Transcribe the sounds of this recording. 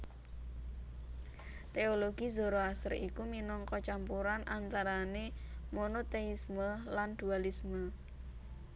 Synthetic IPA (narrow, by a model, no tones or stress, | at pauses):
t̪eoloɡi̤zoɾoasərḭkuminɔŋkɔt͡ʃampuɾanʔant̪aɾanemonot̪eisməland̪̥ṳalismə